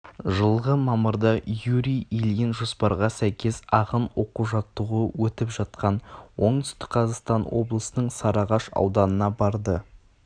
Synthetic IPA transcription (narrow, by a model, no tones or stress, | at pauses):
ʒəlˠʁəmɑməɾd̪ɑjuɾijiljɪnʒospɑɾʁɑsæjkʲe̞sɑʁənwo̞quʒɑt̪ːəʁəwɵt̪ɪpʒ̥ɑt̪̚qɑnwo̞ɴd̪ʏ̥st̪ɪ̥k̚ʲqʰɑzɑʁst̪ɑnwo̞blˠəsənəɴsɑɾɑʁɑʃɑ̰wd̪ɑnənɑbɑɾd̪ə